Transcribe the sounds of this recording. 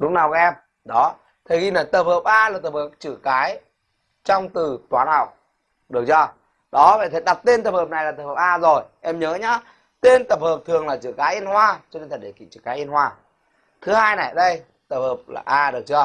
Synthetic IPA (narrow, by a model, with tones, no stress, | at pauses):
ɗʊ˨˦ŋ͡mnaː˨˩wkɔ˨˦ʔɛ˧m | ɗɔ˨˦ | t̪ʰə˨˩ɣi˧˩nə˨˩jt̪ə˨˩p̚həː˨˩p̚ʔaː˧laː˨˩t̪ə˨˩p̚həː˨˩p̚t͡ɕɨ̰˧˨kaː˨˦j | t͡ɕɔ˧wŋ͡mt̪ɨ˨˩t̪waː˨˦nha˨˧˩wk͡p̚ | ɗɨ˨˩ək̚t͡ɕɔ˧˩ | ɗɔ˨˦a̰ː˧˨˩t̪ʰə˨˦ɗa˨˩k͡p̚t̪e˧nt̪ə˨˩p̚həː˨˩p̚na˨˩jlaː˨˩t̪ə˨˩p̚həː˨˩pʔaː˧zo˨˩jʔɛ˧mɲəː˨˦ɲa˨˦ | t̪e˧nt̪ə˨˩p̚həː˨˩p̚t̪ʰɨ˨˩əŋlaː˨˩t͡ɕɨ̰˧˨kaː˨˦jʔi˧ənhwaː˧t͡ɕɔ˧ne˧nt̪ʰə˨˩ɗe˧˩kḭ˧˨t͡ɕɨ̰˧˨kaː˨˦jʔi˧nhwaː˧ | t̪ʰɨ˨˦haː˧jna˨˩jɗə˧j | t̪ə˨˩p̚həː˨˩p̚la̰ː˨˩ʔaː˧ɗɨ˨˩ək̚t͡ɕɔ˧